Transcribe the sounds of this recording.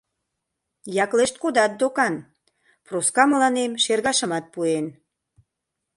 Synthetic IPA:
jɑkleʃt̪̚kod̪ɑt̪̚d̪okɑn | proskɑməlɑnemʃerɣɑʃə̆mɑt̪̚puen

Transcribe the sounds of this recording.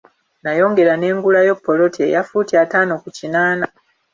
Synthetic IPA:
najo̞ːŋɡe̞ɾane̞ːŋɡulajo̞pːo̞lo̞tḛjafuːtiataːno̞kucinaːna

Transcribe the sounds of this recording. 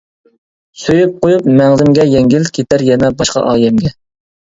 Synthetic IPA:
søjyp̚qʰojupmæŋlɪmɡʲɛjɛŋɡʲilkʲʰet̪ʰæɾjɛnɛbɑʃqɑ̰ʔɑːjɛmɡʲɛ

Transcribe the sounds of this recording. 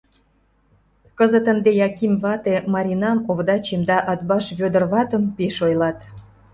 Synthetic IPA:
kəzət̪ə̆nd̪ejɑkimβɑt̪emɑɾʲinɑmoβd̪ɑt͡ɕimd̪ɑʔɑt̪̚bɑʃβød̪ərβɑt̪ə̆mpeʃojlɑt̪

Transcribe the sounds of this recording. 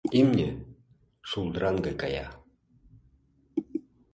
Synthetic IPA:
imnʲe | ʃulˠd̪ɾɑŋɡɑkɑjɑ̰

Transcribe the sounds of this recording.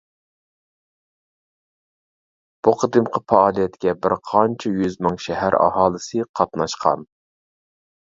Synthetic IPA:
b̥uqʰəd̪ɨmqʰəfɑɑːlˠijɛt̪kʲɛbɪɾqʰɑnt͡ʃʰɛjyzmɨŋʃɛhæɾɑ̰hɑːlˠɨsɨqʰɑt̪nɑʃqʰɑ̰n

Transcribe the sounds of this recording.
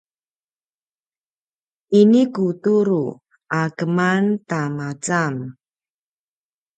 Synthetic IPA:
ʔinikutuɾu | ʔakəmantamat͡sam

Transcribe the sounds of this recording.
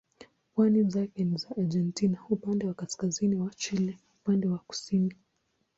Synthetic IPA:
pwanimzakɛnizaʔad͡ʒɛntinaupandɛwakaskaziniwat͡ʃilɛupandɛwaku̥sini

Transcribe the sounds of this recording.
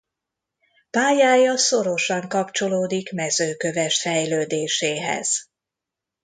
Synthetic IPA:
paːjaːjɒso̞ɾo̞ʃɒŋkɒpt͡ʃo̞loːd̪ikmɛzøːkø̞vɛʃfɛjløːd̪eːʃeːɦɛ̰z̥

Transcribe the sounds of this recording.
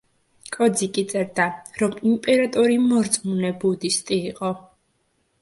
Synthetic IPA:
kʼɔd̪zikʼit̪sʼɛɾd̪aɾɔmimpʼɛɾat̪ʼɔɾimɔɾt̪sʼmunɛbud̪ist̪ʼiːqʼɔ

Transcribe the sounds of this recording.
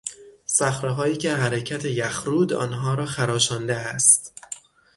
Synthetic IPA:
sæxɾeɦɒːiːcʰeɦæɾecʰæt̪ʰejæxɾuːd̪ɒ̰ːnɦɒːɾɒːxæɾɒːʃɒːnd̪eæst̪

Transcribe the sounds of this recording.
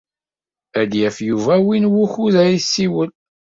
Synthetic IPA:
æd̪jæfjuvæwinwuçuðæisːiwəl

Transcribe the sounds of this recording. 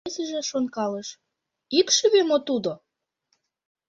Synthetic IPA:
səʒĕʃonkɑləʃ | ikʃyβemot̪ud̪o

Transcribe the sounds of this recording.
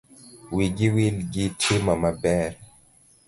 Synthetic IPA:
wiɡiwilɡitʰemamabɛɾ

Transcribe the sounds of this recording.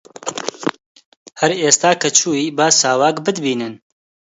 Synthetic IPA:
hɐɾeːst̪aːkʰɐt͡ʃʰuːiːbaːsaːwaːkbɨd̪biːnɨn

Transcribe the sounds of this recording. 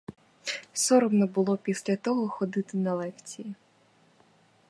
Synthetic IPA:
sɔɾɔmnɔbʊlˠɔpʲisʲlʲɐt̪ɔɦɔxɔd̪ɪt̪ɪnɐlˠɛkt͡sʲiji

